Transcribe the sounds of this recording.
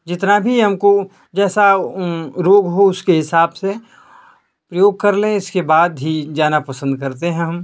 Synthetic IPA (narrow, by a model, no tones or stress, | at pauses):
d͡ʒɪt̪nabʱiɦɐmko | d͡ʒɛːsa | ɾoːɡɦoʊskeɦɪsaːbse | pɾɐjoːɡ̚kɐɾlẽɪskebaːd̪ɦid͡ʒaːnapɐsə̃nd̪̚kɐɾt̪eɦɛ̃ɦɐm